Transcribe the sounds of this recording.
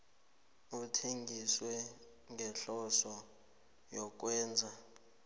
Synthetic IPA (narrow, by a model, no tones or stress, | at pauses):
utʰeŋɡʱiswɛ | ŋɡɛɬɔsɔ | jɔk̬ʼwɛːnd͡zʱa